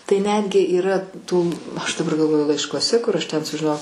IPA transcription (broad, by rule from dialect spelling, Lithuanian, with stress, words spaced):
tɐɪ ˈnʲæːdʲɡʲɪ iːˈrɐ ˈtuː ˈɐʃ dɐˈbɐr ɡɐlˠˈʋoːjʊ lˠɐɪʃkuɔˈsʲɛ kʊr ˈɐʃ tʲɛn sʊʒʲɪˈnoːjɛʊ